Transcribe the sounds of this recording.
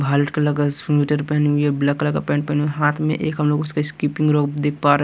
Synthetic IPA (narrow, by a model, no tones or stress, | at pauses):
bʱaːləʈkelɐɡasiʈəɾpɛɦnɦuieblakɐləɡapɛ̃ːɳʈpɛɦneɦaːt̪ʰmḛ̃ʔeːkɦɐmloːɡʊskaɪskiːpɪ̃ŋɡɾoːkd̪eːk̚ʰpaːɾ